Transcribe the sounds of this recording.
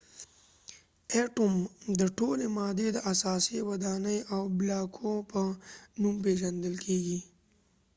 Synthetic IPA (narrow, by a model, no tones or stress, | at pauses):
eʈomd̪əʈolemɑd̪ed̪əʔasɑsewad̪ɑnəjʔawblɑkʰopənumpeʒand̪əlkʰeɡi